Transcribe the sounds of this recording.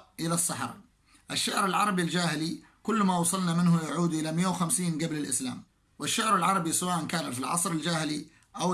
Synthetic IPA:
ʔɪlasːaħɾ | ʔaʃːaʕɾɪlʕɑɾˤɑbild͡ʒaːhɪli | kʊlːmawɑsˤɑlnamɪnhʊjaʕuːd̪ʔɪlamɪjːawxamsiːnɡablɪlʔɪsla̰ːm | wɪʃːaʕɾɪlʕɑɾˤɑbisawaːʔankaːnafilʕɑ̰sˤɾɪld͡ʒaːhɪli | ʔaw

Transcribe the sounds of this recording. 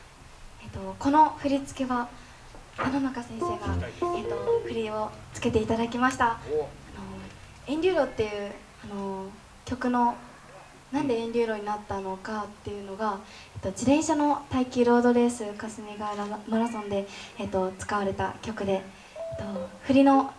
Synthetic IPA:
et̪ːo̞ko̞no̞ɸɯ̟ɾʲit͡sɨ̥ke̞βa | anonakasẽ̞ɰ̃se̞ːɡaet̪ːo̞ɸɯ̟ɾʲio̞t͡sɨ̥ke̞t̪e̞it̪ad̪akʲimaɕi̥t̪aːno̞ | ẽ̞ɲʲɾʲɨːɾo̞t̪ːe̞jɯ̟ː | ano̞ | kʲo̞kɯ̟no̞ | nãnd̪e̞ẽ̞ɲɾʲɨːɾo̞ɲ̟inat̪ːano̞kat̪ːe̞jɯ̟no̞ɡa | et̪ːo̞d͡ʑid̪ẽ̞ɰ̃ɕano̞t̪aikʲiɾo̞ːd̪o̞ɾe̞ːsɨkasɨneɡaɾamaɾasõ̞nd̪e̞ːt̪ːo̞t͡sɨ̥kaβaɾe̞t̪a̰kʲo̞kɯ̟d̪e̞ | t̪ːo̞ɸɯ̟ɾʲino̞

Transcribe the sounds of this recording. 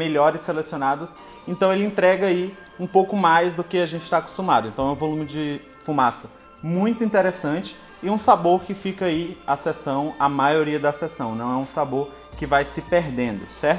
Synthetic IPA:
meʎɔɾɪselesionad̪ʊs | ẽnt̪ɐ̃w̃elɪẽnt̪ɾɛɡɐai | ũpowkʊmajzd̪ʊkɪaʒẽnt͡ʃɪ̥t̪ako̥st̪umad̪ʊẽnt̪ɐ̃w̃ɛũvolũmɪd͡ʒɪ | fumasɐ | mũj̃t̪ʊĩnt̪eɾesɐ̃t͡ʃɪ̥ː | ũsaboɾkɪfikɐiasesɐ̃w̃ɐmajoɾiɐd̪ɐsesɐ̃w̃nɐ̃w̃ɛũsaboɾ | kɪvajsɪpeɾd̪ẽnd̪ʊsɛ

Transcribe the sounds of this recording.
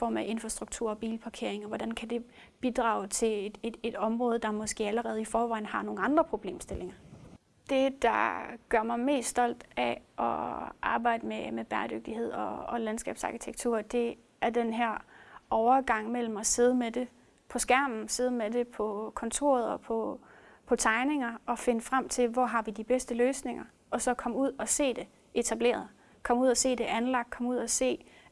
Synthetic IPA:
fɒ̰ːmæʔe̝nfʁɑsd̥ʁuɡ̥̚t͡sʰuɐ̰ɒ̽b̥ḭːlpʰɑ̈kʰe̝ɐ̰eŋɒʋɒd̥ænkʰæd̥e̝ | b̥id̥ʁɑ̈ːʊt͡sʰe̝̥e̥e̝d̥ɒ̽mʁɔːð̞̩ˠd̥ɑ̈mɒ̽sɡ̥e̝̰ːæləʁɛːð̞̩ˠifɒːʋɑ̈ɪ̰n̩hɑ̈no̝ːŋn̩ɑ̈nd̥ʁɐpʰʁo̝b̥le̝̰ːmsd̥e̝le̝ŋɐ | d̥e̝d̥ɑ̰̈ɡ̥ɶɐ̰mɑ̈ɪme̝̰ːsd̥ɒ̽l̰d̥æʔɒʔɑ̈ːb̥ɑ̈ɪ̰d̥əmemeb̥æɐd̥øɡ̥̚d̥ihe̝ð̞̰ˠɒːlænsɡ̥ɛ̰ːb̥sɑ̈ːkʰit͡sʰeɡ̥̚t͡sʰuɐ̰d̥e̝ | æɐd̥enɦæɐ̰ɒʊɐɡ̥ɑ̈ŋ̰mel̰m̩ɒse̝ð̞ˠmed̥e̝ | pʰɒ̽sɡ̥æɐ̰mn̩se̝ð̞̩ˠmede̝pʰɒ̽kʰɒ̽nt͡sʰo̝̰ːɐð̞ˠɒ̽pʰɒ̽ | pʰɒ̽t͡sʰɑ̈ɪne̝ŋɐɒ̽fe̝nəfʁam̰t͡sʰe̝lʋɒɦɑ̈ʋid̥ib̥esd̥əløːsne̝ŋɐ | ɒ̽sɒ̽kʰɒ̽muð̞̰ˠɒ̽se̝̰ːd̥e̝ | ʔe̝t͡sʰæb̥le̝̰ːɐðˠ | kʰɒ̽muð̰ˠɐse̝̰ːd̥e̝ʔænlɑ̈ɡ̥̚kʰɒ̽muð̞̰ˠɒse̝̰ː

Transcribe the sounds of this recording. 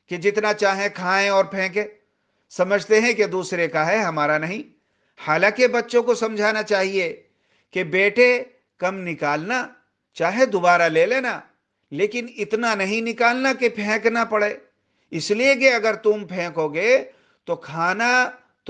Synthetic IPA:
ked͡ʒɪt̪nat͡ʃaːɦẽkʰaːẽɔːɾpʰɛ̃ːkẽː | sɐməd͡ʒʱt̪eɦɛ̃ked̪uːsɾekaɦɛɦɐmaːɾanɐɦĩ | haːlãːkebɐtːʃõkosɐ̃md͡ʒʱaːnat͡ʃaːɦie | kebeːʈe | kɐmnɪkaːlna | t͡ʃaːɦẽd̪ʊbaːɾaleːleːna | leːkɪnɪt̪nanɐɦĩnɪkaːlnakepʰɛ̃ːknapɐɽeː | ɪsliek̬eɐɡəɾt̪ʊmpʰɛ̃ːkoɡɐe | t̪okʰaːna | t̪

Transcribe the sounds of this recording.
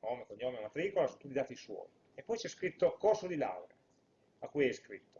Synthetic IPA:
nomekoɲːomemat̪ɾikolasot̪ut̪id̪aːt̪iiswɔ̰ːj | epːɔjt͡ʃɛskɾit̪ːokorsod̪ila̰wɾa | akːujɛjskɾḭt̪ːo̥

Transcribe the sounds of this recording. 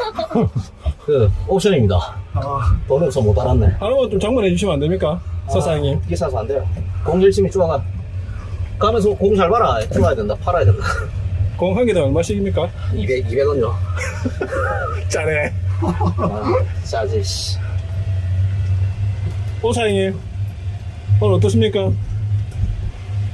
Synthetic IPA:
kɯok̚ɕ͈ʰʌɲimɲida̰atomɯusʰʌmotaɾandeaɾɯmʌnt͡ɕomt͡ɕaŋmunɦed͡ʑuɕ̬ʰimandemɲik͈asʰasʰajiŋɲimɡisʰasʰʌandejokoŋd͡ʑiɭt͡ɕʰimit͡ɕuŋaɡan | kɯamjens̬ʰʌkoŋd͡ʑʰaɭbaɾaet͡ɕuŋajadwendapʰaɾajadendaakoŋɦaŋɡidaɭmaɭɕ͈ʰiɡimɲik͈aibeibeɡʌnd͡ʑo | t͡ɕaɾe | t͡ɕad͡ʑiɕ | osʰaiŋɲim | wʌnʌt͈ʌs̬͈ʰɯmɲik͈a

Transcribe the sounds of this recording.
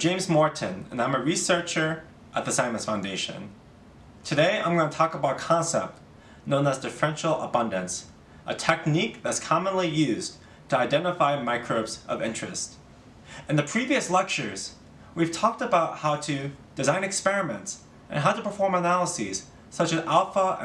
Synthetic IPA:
ʒ̥ẽɪ̃mzmɔɹʔn̩ɨ̰̃nãɪ̃məɹisɜ˞t͡ʃə˞ | ʔət̪̚ðɨsãɪ̃mɨ̃nsfãʊ̃ndeɪʃɨ̰̃n | tʰɨdeɪã̰ɪ̃mɡʌnətʰɔkəbaʊɾəkʰɑ̃nsɛ̰p̚t | nõʊ̃nəzdɨfɹɛ̃nʃl̩ˠə̰bʌ̃ndɨ̃ns | ʔə̰tʰɛk̚nik̚ðɨtskʰɑmə̃nlijʉz | tʰɨaɪdɛ̃ñəfaɪmaɪkʰɹoʊbzʔʌ̰vɪ̰̃nt͡ʃɹ̥ɨ̰st | ɨ̃nðɨpʰɹ̥iviɨslɛk̚t͡ʃə˞z̥ | wiv̥tʰɔk̚təbaʊt̚haʊɾɨd̥ɨzãɪ̃nɨkspɛɹɨmɨ̰̃nts | ʔɨ̰̃nɦaʊɾɨpʰə˞fɔɹmənælˠəsiz̥ | sʌt͡ʃɨzælˠfə̰̃

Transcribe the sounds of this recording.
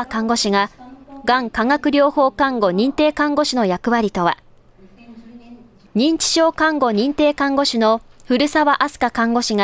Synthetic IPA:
kãŋɡo̞ɕiŋɡaɡãŋkaŋakɯ̟ɾʲo̞ːho̞ːkãŋɡo̞ɲ̟ĩnt̪e̞ːkãŋɡo̞ɕɨno̞jakɯ̟βaɾʲit̪o̞βa̰ | ɲ̟ĩɲ̟t͡ɕi̥ɕo̞ːkãŋɡo̞ɲ̟ĩnt̪e̞ːkãŋɡo̞ɕɨno̞ɸɯ̟ɾɯ̟saβaʔasɨ̥kakãŋɡo̞ɕiŋa

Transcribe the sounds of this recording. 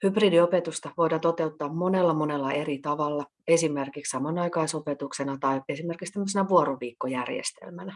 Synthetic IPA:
hypriːdiopet̪ust̪ɑʋo̞idɑnt̪o̞t̪e̞ut̪ːɑːmmo̞nelːɑmo̞nelːɑʔe̞ɾit̪ɑʋɑlːɑ | e̞sime̞rkikssɑmɑnɑikɑisopet̪uksenɑt̪ɑie̞sime̞rkikst̪æmːøs̬enæʋuoɾoʋiːkːojærjḛst̪ḛlmænæ

